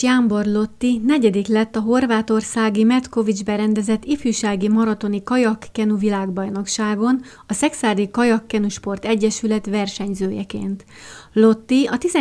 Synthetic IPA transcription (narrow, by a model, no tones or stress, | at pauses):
jaːmbo̞rlo̞t̪ːinɛɟɛd̪iklɛt̪ːɒɦo̞rvaːt̪o̞rsaːɡimɛt̪ko̞vid͡ʒbɛɾɛnd̪ɛzɛt̪ːifyːʃaːɡimɒɾɒt̪o̞nikɒjɒkːɛnuvilaːɡbɒjno̞kʃaːɡo̞n | ɒsɛksaːrd̪ikɒjɒkːɛnuʃpo̞rt̪ɛɟːɛʃylɛt̪ʋɛrʃɛɲzøːjɛkḛːnt̪ | lo̞t̪ːiɒt̪izɛ